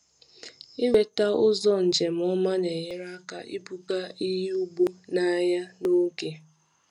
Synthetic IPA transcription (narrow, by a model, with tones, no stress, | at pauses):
i˦we˨ta˦ʊ˦zɔ˦n̩˨d͡ʒe˨m̩˨ɔ˦ma˦ne˨ɲe˦ɾa˦ka̰˨ʔḭ˦bu˦ka˦i˦ɦu˦ɡ͡bu˦na˦ja˦no˦ke˨